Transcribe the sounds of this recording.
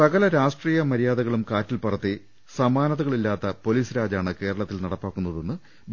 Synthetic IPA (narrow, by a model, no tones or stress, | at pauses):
sɐɣɐlɐɾaːʂʈriːjɐmɐɾijaːðɐɣɐɭumkaːtːilpɐrɐt̪ːi | sɐmaːnɐðɐɣɐɭilːaːt̪ːɐpo̞liːsɨɾaːd͡ʑaːɳɨke̞ːɾɐɭɐt̪ːilnɐɽɐpːaːkːunːuðe̞nːɨ